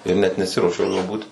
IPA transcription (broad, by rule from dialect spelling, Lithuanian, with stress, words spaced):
ɪr ˈnʲɛt nʲɛˈsʲɪruɔʃʲɛʊ juɔ ˈbuːt